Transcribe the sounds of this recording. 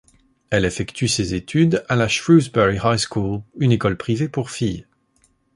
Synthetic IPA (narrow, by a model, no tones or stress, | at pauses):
ɛlefɛkt̪ysezet̪ʰyd̪alaʃʁuzbɛʁihajskulynekɔlpχivepuʁfij